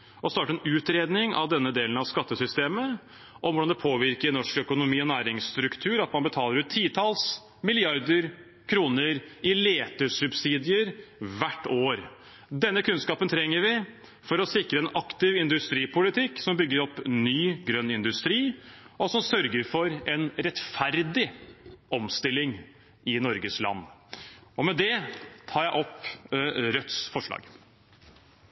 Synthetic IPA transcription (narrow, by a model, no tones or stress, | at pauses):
ɔst̪ɑːʈəɛnʉːt̪ɾeːd̪nɪŋɑ̰ʋd̪ɛnːəd̪eːlənɑʋskɑt̪ːəsʏst̪eːmə | ʔɔʋʊɖɑnd̪ɛpʰoːʋɪɾkəɾnɔʂkœkʊnʊmiːɔnæːɾɪŋst̪ɾʉkt̪ʰʉːɾɑt̪mɑnbət̪ʰɑːləɾʉːt̪ʰːiːt̪ʰɑːls | mɪlɪɑɾd̪əɾ | kʰɾuːnəɾɪleːt̪əʂʉbsiːd̪ɪəɾʋæʈːoːɾ | d̪ɛnːəkʰʉnskɑːpənt̪ʰɾɛŋːəɾʋɪ | fɔɾɔsɪkɾəɛnɑkt̪ɪʋɪnd̪ʉst̪ɾiːpʊlɪt̪ʰɪkːsɔmbʏɡːəɾɔpːnyːɡɾœnːɪnd̪ʉst̪ɾiːʔɔsɔmsœɾɡəɾfɔɾɛnɾɛt̪fæɾd̪ɪʔɔmst̪ɪlːɪŋ | ɪnɔɾɡəslɑ̰nː | ɔmɛd̪ɛt̪ʰɑːɾjæɪʔɔp | ɾœt̪sfɔʂɑ̰ːɡ